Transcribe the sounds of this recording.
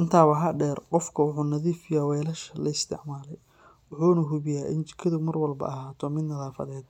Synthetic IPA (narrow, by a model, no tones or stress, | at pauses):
ʔɪnt̪ʰaːwɐɦɐɖɛːrqɔfkʰɐwʊħuːnɐðiːfɪjaːwɛːlɐʃɐlɐɪst̪ʰɪ̰ʕmaːlɛj | wʊħuːnɐɦʊβɪjaːʔɪnt͡ʃɪ̥kʰɐðʊmɐrwɐlbɐ̰ʔɐɦaːt̪ʰɔːmɪd̪nɐðaːfɐ̰ðɛːd̪